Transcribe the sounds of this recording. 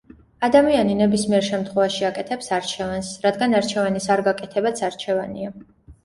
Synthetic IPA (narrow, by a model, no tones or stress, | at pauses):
ad̪amianinɛbismiɛɾʃɛmt̪ʰχwɛvaʃiakʼɛt̪ʰɛpsaɾt͡ʃʰɛvansɾad̪ɡanaɾt͡ʃʰɛvanisaɾɡakʼɛt̪ʰɛbat̪sʰaɾt͡ʃʰɛvanḭa